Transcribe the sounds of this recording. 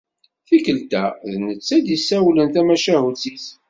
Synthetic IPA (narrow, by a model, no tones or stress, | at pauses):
θikəlt̪æðnət͡sːæd̪isːæwlənt̪æmæʃæɦut͡sːiθ